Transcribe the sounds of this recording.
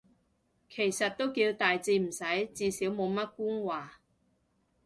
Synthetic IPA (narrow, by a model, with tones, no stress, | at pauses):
kʰe˨˩jsɐ˨t̚t̪ːo˥wkiː˧wt̪aː˨jt͡siː˧m̩˨˩sɐ˨˥jt͡siː˧siː˨˥wmo˨˧wmɐ˥t̚kuː˥nwaː˨˩